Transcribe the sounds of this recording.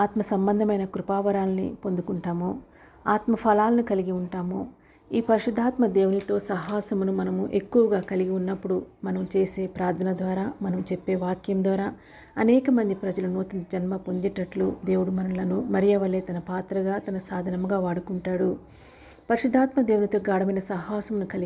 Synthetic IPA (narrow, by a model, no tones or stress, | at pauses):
aːt̪mɐsɐmbɐnd̪ʱɐmɐjnɐkɾupaːʋɐɾaːlɐnḭpo̞nd̪ukuɳʈaːmoː | aːt̪mɐpʰɐlaːlɐnikɐliɡiuɳʈaːmoː | iːpɐɾiʂud̪ʱːaːt̪mɐd̪e̞ːwunit̪o̞ːsɐɦaːsɐmunumɐnɐmuʔe̞kːuʋɐɡaːkɐliɡiunːɐpːuɽumɐnɐmut͡ʃe̞ːse̞ːpɾaːɾd̪ʰʱɐnɐd̪ʋaːɾaːmɐnɐmut͡ʃepːe̞ːʋaːkjɐmd̪ʋaːɾaː | ɐnɛːkɐmɐnd̪ipɾɐd͡ʒɐlunoːt̪unɐd͡ʒɐnmɐpoɲd͡ʒiʈːɐʈlud̪e̞ːwuɽumɐnɐlɐnumɐɾijɐʋɐɭe̞ːt̪ɐnɐpaːt̪ɾɐɡaːt̪ɐnɐsaːd̪ʱɐnɐmɡaːʋaːɽukuɳʈaːɽu | pɐɾiʂud̪ʱːaːt̪mɐd̪e̞ːwunit̪o̞ːɡaːɽɐmɐjnɐsɐɦaːsɐmunukɐli